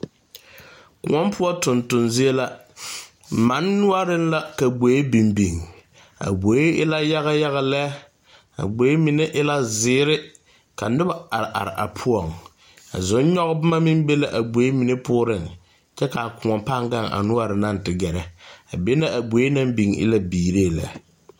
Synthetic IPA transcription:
kʊ̰˨ŋɔ˦mpʰʊ˦ɔ˦tʊ˨ntʊ˨nzi˦e˦la˦ | ma˨˦nːʊ˦a˦ɾɪ˦n˦la˦ka˨ɡ͡bo˨˦e˦bi˨mbi˨ŋ | a̰˨bo˨˦e˦ɪ˦la˦ja˦ɣa˦ja˦ɣa˨lɛ˦ | a̰˨ɡ͡bo˨˦e˦mɪ˨nɛ˦ʔɪ˦la˦zɪː˦ɾɪ˦ | ka˨nɪ˦ba˦a˨ɾɪ˨ʔa˨ɾɪ˨ʔa˨pʰʊ˦ɔ˦˨ŋ | a̰˨zʊ˨˦n˦ɲɔ˦ɣbʊ˦ma˦mɪ˦m˦be˦la˦ʔa˨bo˨e˦mɪ˨nɪ˦pʊː˦ɾɪ˦˨ŋ | t͡ʃɛ˦ka˨a˨kʊ˨ŋɔ˨mpa˦ŋɡa˦ŋʔa̰˨nʊ˦a˦ɾɪ˨na˦˨n˨tɪ˨ɡɛ˨ɾɛ˨a˨be˦na˦ʔa˨bo˨˦e˦na˦mbi˨ŋɪ̰˦la˦biː˨ɾeː˦˨lɛ̰˨˦

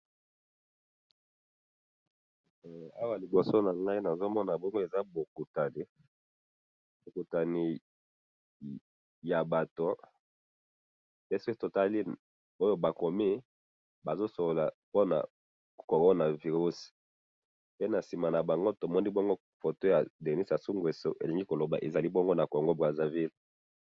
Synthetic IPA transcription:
a˦wa˨li˨bo˨so˦na˨ŋɡa˦i˦na˨zo˦mɔ˦na˨bɔ˦ŋɡo˦e˨za˦bo˨ku˨ta˨ni˦ | bo˨ku˨ta˨ni˨ | ja˨ba˨to˨ | e˦si̥˦ke˦to˨ta˦li˦ | o˦jo˦ba˨ko˨mi˦ | ba˨zo˦so˨lo˨la˨po˦na̰˨ | ko˨ʁo˦na˨vi˨ʁu˦s | pe˦na˨si˨ma˨na˨ba˨ŋɡo˦to˨mɔ˦ni˦bɔ˦ŋɡo˦ | fo˨to˦ja˨de˨ni˦sja˨su˦ŋɡwe˨so̰˦ʔe˨li˨ŋɡi˦ko˨lo˨ba̰˨ʔe˨za˨li˦bɔ˦ŋɡo˦na˨kɔ˨ŋɡo˦bʁa˨za˨vi˦l

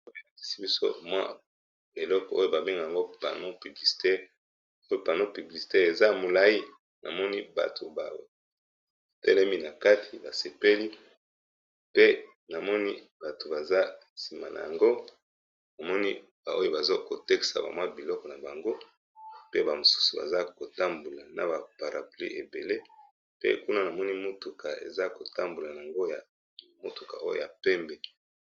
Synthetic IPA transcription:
o˦je˨a˨ki̥˦si˦bi˦so̰˦mwa̰˦ | e˨lɔ˦kɔ˨o˦jo˨ba˨be˦ŋɡa˨a˨ŋɡo˦pa̰˨no˦py˨bli˨si̥˨te˦ | o˦jo˨pa˨no˦py˨bli˨si̥˨te˦e˨za˦˨mo˨la˦ji˦ | nʔa̰˨mɔ˦ni˦ba̰˨tʰo˨ba˨w | tɛ˦lɛ˦mi˦na˨ka˦tʰi˨ba˨se˨pe˦li˦ | pe˦ | na˨mɔ˦ni˦ | ba˨to˨ba˨za˦ | si˨ma̰˨na̰˨ja̰˨ŋɡo˦ | na˨mɔ˦ni˦ | ba˨o˦jo˦ba˨zo˦ko˨tɛ˦ki̥˨sa̰˨ba̰˨mwa˦bi˨lɔ˦kɔ˨na˨ba˨ŋɡo˦ | pe˦ba˨mo˨su̥˦su˨ba̰˨za˦ko˨ta˦mbu˨la˨na̰˨ba˨pa˨ʁa̰˨plḭ˦ʔe˨be˨le˦ | pḛ˦ku˦na˦na˨mɔ˦ni˦mo˦tu˨ka˨ḛ˨za˦ko˨ta˦mbu˨la˨na˨a˨ŋɡo˦ja˨ | mo˦tu˨ka̰˨ʔo˦jo̰˦˨ja˨pɛ˦mbɛ˨

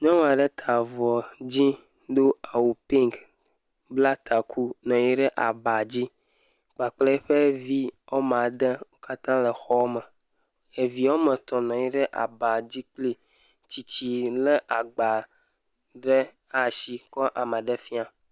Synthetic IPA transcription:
ɲɔ̃˦wa˨ɖe˦t̪ʰa˨vɔ˨d͡ʑi˦ | d̪o˦a˨wu˨pi˦ŋk | bla˦t̪ʰa˨kʰu˦nɔ̃˨ji˦ɖɛ˦ʔa˨ba˨d͡ʑi˦ | k͡pa˨k͡ple˦ɸe˦vi˦ɔ˦m˨ã˨d̪ɛ˦wo˦ka˦t̪ã˦lə˨xɔ˦mɛ˨ | e˨vi˨wo˦mə˨t̪ɔ˨nɔ̃˨ji˦ɖɛ˦ʔa̰˨ba˨d͡ʑi˦k͡pli˦ | t͡ɕi˨t͡ɕi˨lɛ˦ʔa˨ɡ͡ba˨ | ɖɛ˦ | a˨si˦kɔ˦ʔa˨mə̃˨ɖɛ˦fi˦a˨

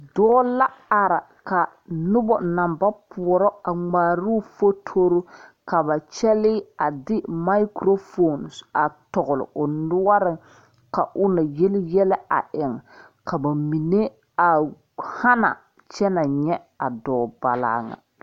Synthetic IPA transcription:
dɔː˦la˦a˨ɾa˨ | ka˨ | nʊ˦bɔ˨na˨mba˦pʊ˨ɔ˨ɾɔ˦a˨ŋ͡maː˨ɾu˦fo˦tʰo˦ɾu˦ka˨ba˨t͡ʃɛ˦lɪ˦a˨dɪ˦ma˦i˦kɾo˦fo˦˨n˨sa˨tɔ˨ɣʊ˨lʊ̰˨ʔʊ˨nʊ˦wa˦ɾɪ˨ŋ | ka˨ʔʊ˦na˨je˦lɪ˦jɛ˦lɛ˦a̰˨ʔɪ˨ŋ˨ | ka˨ba˨mi˨ne˦ | a˨ | ha˦na̰˨ | t͡ʃɛ˦na˨ɲɛ˦ | a˨dɔː˨ba˨la̰ː˦ŋa̰˨

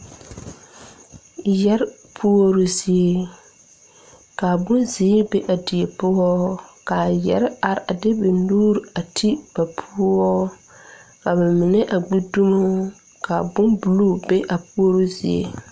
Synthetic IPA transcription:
jɛ˦ɾ | pʰu˦o˦ɾu˦zi˦e˦ | ka˨bʊ˦nziː˨˦be˦ʔa˨di˨e˨pʊ˦ɔ˦ka˨jɛ̰˨ɾɪ˦a˨ɾa˨dɪ˦bɛ˨nuː˦ɾa˨tʰi˦b̥a˨pʰu˦ɔ˦ | ka˨bɛ˨mɪ˨nɪ˦ʔa˨ɡ͡bi˦du˦mo˦ | ka˨bʊ˦nbu˨lu˦be˦ʔa˨pu˦o˦ɾu˦zi˦ḛ˦

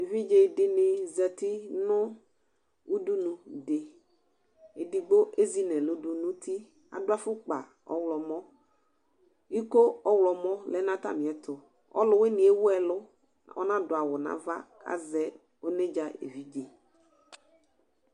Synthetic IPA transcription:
e˨vi˦d͡ʒe˨dɪ˨nɪ̃˨zɛ˨t̪i˦nʊ̃˦ | u˦du˦nũ˨dɪ˨ | e˨di˨ɡ͡bo˦ʔe˦zi˦nɛ̃˨lʊ˦du˨nũ˦t̪ʰi˦ | a̰˨dʊ˦a˦fʊ˦k͡pa̰˨ | ɔ̰˦wlɔ˨mɔ̃˦ | i˦ko˦ɔ˦wlɔ˨mɔ̃˦lɛ˦nã˦t̪a̰˦mĩ˨ɛ˨t̪ʊ˨ | ɔ̰˦lʊ˦we˦nĩ˨ɛ˦wʊ˦ɛ˨lʊ˦ | ɔ̰˦nã˦dʊ˨a˨wʊ˨nã̰˦va̰˦ka̰˦zɛ˦ | wo˦nẽ˦d͡ʒa˦ḛ˨vi˦d͡ʒe˨

